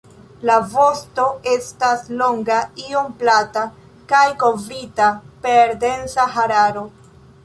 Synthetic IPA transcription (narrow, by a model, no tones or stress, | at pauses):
lavo̞sto̞ʔe̞staslo̞ŋɡaio̞mplata | kajko̞vɾitape̞ɾde̞nsaɦaɾaɾo̞